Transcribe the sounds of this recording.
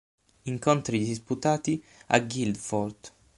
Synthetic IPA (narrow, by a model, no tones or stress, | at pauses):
iŋkont̪ɾid̪isput̪aːt̪i | a̰ɡild̪fɔrd̪